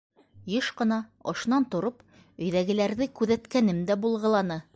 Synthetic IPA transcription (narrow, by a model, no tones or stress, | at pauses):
jɤʃqɤ̆nɑŏ̰ʃnɑnt̪ŏɾɤp | ɵ̆jðæɡɘ̆læɾðɘkʉðæt̪kænɘmd̪æbulˠʁɤ̆lˠɑnɤ